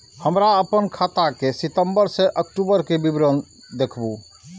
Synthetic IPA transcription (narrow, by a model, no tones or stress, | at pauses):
həmɾaəpənkʰat̪akesit̪əmbəɾseʔək̚ʈubəɾkebibɾən | d̪ekʰbu